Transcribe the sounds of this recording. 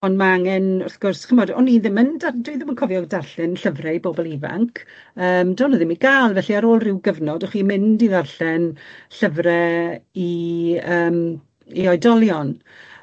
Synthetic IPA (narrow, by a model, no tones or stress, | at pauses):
ɔnmaaŋɛnʊrθɡ̥ʊrsχɪmɔdɔ̰niðɪməndadɨðɪmənkʰɔvjɔɡdarɬɛnɬəvrɛiboːbɔlˠiva̰ŋkʰ | əːmdɔːnəðɪmiɡaːlˠvɛɬiaɾoːlˠrɪwɡəvnɔdɔχwimɪndiðarɬɛnɬəvrɛiəːm | iɔjdɔlˠjɔn